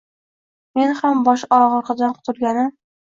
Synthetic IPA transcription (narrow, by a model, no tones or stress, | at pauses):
menhambɒʃɒɾʁɒɾqɑd̪anqʰʊ̥t̪ʰʊlɡʲanɪm